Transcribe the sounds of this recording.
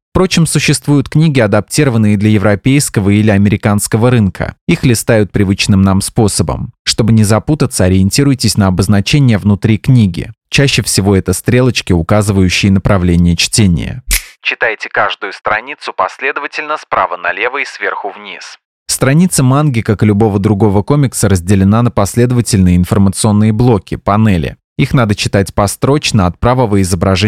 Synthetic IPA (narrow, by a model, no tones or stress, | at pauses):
fpɾo̞t͡ɕɪmsʊɕːɪst̪vujʊt̪knʲiɡʲɪɐd̪ɐp̚tʲiɾəvənːɨjəd̪lʲɐjɪvɾɐpʲejskəvəilʲɪɐmʲɪɾʲɪkanskəvəɾɨnkʰə̰ixlʲɪst̪ajʊt̪̚pɾʲɪvɨt͡ɕnɨmnamspo̞səbə̰mʂt̪o̞bɨnʲɪzɐput̪ət̪səɐɾʲɪɪnʲtʲiɾʊjɪtʲɪsʲnəɐbəznɐt͡ɕenʲɪjəvnʊt̪ɾʲiknʲiɡʲɪ̰t͡ɕæɕːɪfsʲɪvo̞ɛt̪əst̪ɾʲe̞lˠət͡ɕkʲɪʊkazɨvəjʉɕːɪjɪnəpɾɐvlʲenʲɪjət͡ɕtʲenʲɪ̰jə̰t͡ɕɪt̪ajtʲɪkaʐd̪ʊjʊst̪ɾɐnʲit̪sʊpɐsʲlʲe̞d̪əvətʲɪlʲnəspɾa̰vənɐlʲe̞vəisvʲerxʊvnʲis | fst̪ɾɐnʲit̪səmanɡʲɪkakɪlʲʊbo̞vəd̪ɾʊɡo̞vəko̞mʲɪksəɾəzʲdʲɪlʲɪnanəpɐsʲlʲed̪əvətʲɪlʲnɨjəɪnfərmət̪sɨo̞nːɨjəblˠo̞kʲɪpɐnɛlʲɪ̰ | ixn̪ad̪ət͡ɕɪt̪atʲpɐst̪ɾo̞t͡ɕnəɐt̪̚pɾavəvəɪzəbɾɐʐɛ